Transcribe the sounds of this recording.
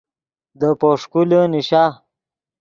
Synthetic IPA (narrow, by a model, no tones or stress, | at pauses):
d̪əpoʂkuləniɕaː